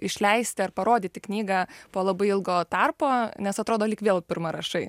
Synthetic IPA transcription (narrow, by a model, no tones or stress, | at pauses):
ɪʃʲlʲɛɪsʲt̪ʲɪɐrpɐɾoːd̪ʲɪːt̪ʲɪknʲiːɡɑːpoːlˠɐbɐɪɪlˠɡoːt̪ɐrpoːnʲɛsɐt̪ɾoːd̪oːlʲikʋʲeːlˠpʲɪrmɐɾɐʃɐɪ